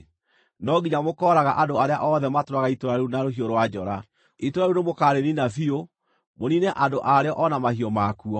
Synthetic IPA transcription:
nɔɡiɲamokɔɾaɣaʔadoaɾeaʔɔðɛmatoɾaɣaitoɾaɾeunaɾohioɾwad͡ʑɔɾa | itoɾaɾunemokaɾeninafio | monineʔadoʔaɾeɔʔɔnamahiɔmakuɔ

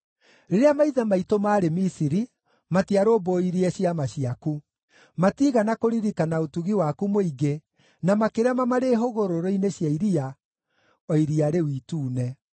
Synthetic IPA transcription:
ɾeɾeamaiðamaitomaːɾemisiɾi | matiaɾoːboiɾiɛɕiamaɕiaku | matiːɣanakoɾiɾikanaotuɣiwakumoiɡe | namakeɾamamaɾeɦoɣoɾoɾoineɕjaiɾia | ɔiɾiaɾewiːtuːnɛ

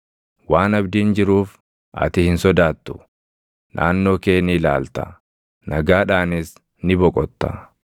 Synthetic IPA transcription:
waːnɐbd̪ɪːnd͡ʒɪɾuːf | ʔɐ̰t̪ɪhɪnsɔd̪aːt̪ːʊ̥ | nʔa̰ːnːo̞ːke̞ːnɪla̰ːlt̪ɐ̰ | nɐɡaːᶑaːnɪs | nɪbɔkʼɔt̪ːɐ̰

